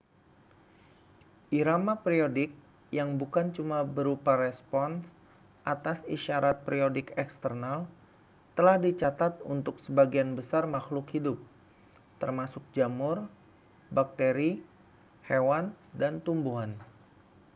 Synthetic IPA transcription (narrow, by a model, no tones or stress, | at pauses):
ʔiɾamapɾiodɪk̚ | jaŋbukant͡ʃumabəɾupaɾɛspɔns | ʔat̪asiʃaɾat̪̚pɾiodɪkɛkst̪ərnal | t̪əlahdit͡ʃat̪at̪ṵnt̪ʊksəbaɡianbəsarmaxlʊkhidʊp̚ | t̪ərmasʊk̚d͡ʒamʊr | bak̚t̪eɾi | hewan | dant̪umbuɦan